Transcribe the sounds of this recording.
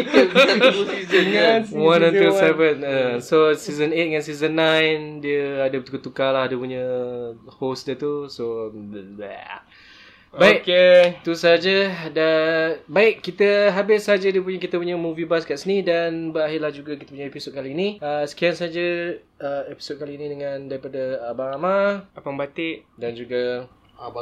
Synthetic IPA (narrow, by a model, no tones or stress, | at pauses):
i | wãnɛ̃nusɛvənəsosizənet̪̚ŋãnsizənːãjndiəadəət̪ukat̪ukalahdəpuɲə | hosdiət̪usoja̰ | baɪʔet̪usaad͡ʒədabaɪʔkːit̪əɦabɪsːad͡ʒədiəp̬uɲək̬it̪əpuɲəmuvibaskaʔsənidanbəɾaɦɪlahd͡ʒuɡakit̪əp̬uɲəepisot̚kaliːniəsə̥kiansaad͡ʒə | əepi̥sot̪̚kaliːnĩdəŋãndaɾipadəabaɾamaapaŋbat̪ɪʔdand͡ʒuɡa